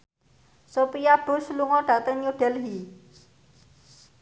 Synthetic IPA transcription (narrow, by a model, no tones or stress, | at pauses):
sopijab̥usluŋɔɖ̥a̤t̪ənjuɖɛlɦi